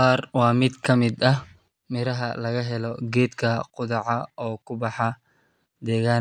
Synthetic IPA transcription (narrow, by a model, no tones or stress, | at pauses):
aːrwɑːmɪd̪kʰɐmɪd̪ɐh | mɪɾɐɦɐlɐɣɐɦɛlɔɡɛːd̪kʰɐqʊðɑʕɑɔːkʰʊbɑħɑ | d̪ɛːɣaː